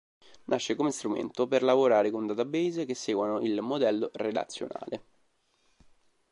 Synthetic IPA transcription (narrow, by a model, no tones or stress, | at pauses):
nʔaʃːekomest̪ɾumḛnt̪operlavoɾaːɾekond̪at̪abejzek̟esːeːɡwanoʔilmod̪ɛlːored̪a̰t̪sːjo̰na̰ːle